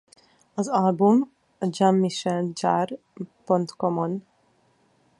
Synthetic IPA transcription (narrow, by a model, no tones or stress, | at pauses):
ɒzɒlbum | ɒd͡ʒamːiʃɛnd͡ʒar | pont̪komon